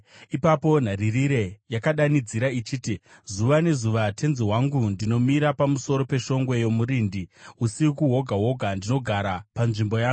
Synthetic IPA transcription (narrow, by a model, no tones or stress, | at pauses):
ipapo̞n̤aɾiriɾe̞jakaɗanid͡ziɾait͡ʃiːti | zuʋane̞zuʋatʰe̞nziɦwaŋɡundino̞miɾapamuso̞ɾo̞pe̞ʃo̞ŋɡwe̞jomuɾiːndiusikuɦo̞ɡʱaɦo̞ɡʱandino̞ɡʱaɾapanʐimbo̞jaːɡu